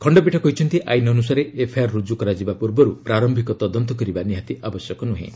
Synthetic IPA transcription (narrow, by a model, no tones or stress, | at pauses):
kʰɔɳɖɔpiʈʰɔkɔɦit͡ʃʰɔnt̪iʔa̰jnɔnus̬aɾeʔepʰajaɾːud͡ʒukɔɾad͡ʒibapuɾbɔɾupɾaɾɔmbʱikɔt̪ɔd̪ɔnt̪ɔkɔɾibaniɦat̪iʔabɔsjɔkɔnuɦḛ̃